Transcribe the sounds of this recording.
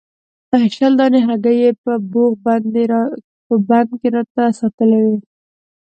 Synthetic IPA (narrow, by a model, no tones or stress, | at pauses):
d̪aɦaʃald̪ɑneɦaɡajepəboɣbane | pəband̪keɾɑt̪asɑt̪əlawi